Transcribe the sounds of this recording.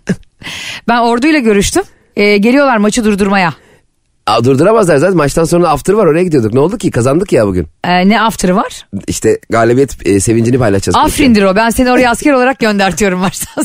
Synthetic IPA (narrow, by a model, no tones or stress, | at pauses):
bæno̞ɾd̪ujlˠaɟø̞ɾyʃt̪ym | ɛːɟelʲijo̞lˠaɾmat͡ʃʰɯd̪uɾd̪uɾmaja | ad̪uɾd̪uɾamazlˠaɾzaːt̪ɛnmat͡ʃt̪ʰanso̞nɾaːft̪ʰaɾɯvaɾo̞ɾajaɟid̪ijo̞d̪uknɛo̞lˠd̪ukcʰikʰazand̪ɯkjabuɟy̰nɛnɛaft̪ʰaɾɯvaɾ̥iʃt̪ʰɛɡaːlʲebijɛt̪ːse̞vind͡ʒinipajlˠaʃtazafɾind̪iɾo̞bænsenino̞ɾajascɛɾoaɾak̚ɟø̞nd̪æɾt̪ʰijo̞ɾumaɾsḁ